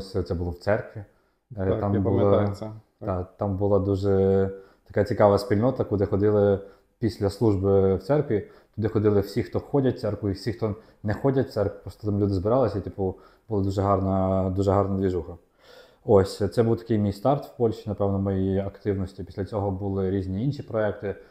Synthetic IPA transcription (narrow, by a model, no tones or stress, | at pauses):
sʲt̪sɛbʊlˠɔwt̪sɛrkʋʲi | t̪ɑmb̪ˠ | ɑt̪ɑmbʊlˠɑd̪uʒɛ | t̪ɐ̥kat͡sʲikɑʋɐsʲpʲilʲnɔt̪ɐkʊd̪ɪxɔd̪ɪlˠɪ | pʲisʲlʲɐslˠuʒbɪwt̪sɛrkʋʲi | t̪ʊd̪ɪxɔd̪ɪlˠɪwsʲixt̪ɔxɔdʲɐt̚ʲt̪sɛrkʊifsʲixt̪ɔ | nɛxɔdʲɐt̚ʲt̪sɛrkpɾɔst̪ɔ̥t̪ɑmlʲud̪ɪzbɪɾɑlˠɪsʲɐit̪ʲipʊ | bʊlˠɪd̪uʒɛɦɑrnɐd̪uʒɛɦɑrnɐd̪ʋʲiʒuxɐ | osʲt̪sɛbuwt̪ɐ̥kɪjmʲijst̪ɑrt̪wpɔlʲʃinɐpɛwnɔmɔjiɐkt̪ɪwnɔsʲtʲipʲisʲlʲɐt͡sʲɔɦɔbʊlˠɪɾʲizʲnʲiinʃipɾɔɛkt̪ɪ